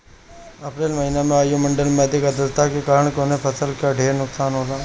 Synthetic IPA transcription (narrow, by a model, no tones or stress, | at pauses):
ɐpɾeːlmɐɦinemẽaːjomɐ̃ɳɖəlmɛːd̪ikɐd̪əst̪akekaːɾəɽ̃konẽpʰɐsəlkaɖʱeːɾnʊksaːnɦoːlaː